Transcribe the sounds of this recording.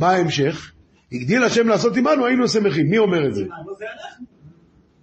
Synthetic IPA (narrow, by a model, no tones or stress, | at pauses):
maaemʃe̞χ | hiɡd̪ilaʃe̞mlaːso̞t̪imanuainusameχimːio̞me̞ʁetze